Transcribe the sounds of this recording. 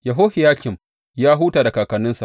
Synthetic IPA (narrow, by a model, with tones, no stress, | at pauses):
ja˨ɦoː˦hɪ˨jaː˦kʲɪ˨m | jaː˦ɦuː˦taː˨da˨kaː˨kɐ˨nɪ˦nsa̰˨ʔ